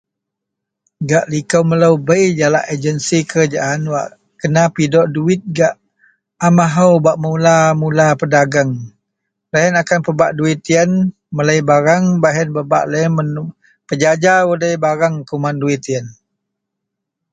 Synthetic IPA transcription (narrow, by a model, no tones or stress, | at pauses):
ɡaʔlikəwmələwbəjd͡ʒalaʔəd͡ʒənsikəɾad͡ʒaʔanwa̰ʔ | kənapidɔʔduɪt̪̚ɡaʔ | amaɦawbaʔmulamulapədaɡaŋ | ləɦənakanpəbaʔduit̪iən | mələjbaɾaŋbaɦɛnbəba̰ʔləmən | pəd͡ʒad͡ʒawədəjbaɾaŋkumanduit̪iən